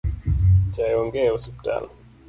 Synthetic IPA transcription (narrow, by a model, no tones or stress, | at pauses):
t͡ʃajɔŋɡɛusɛpta̰l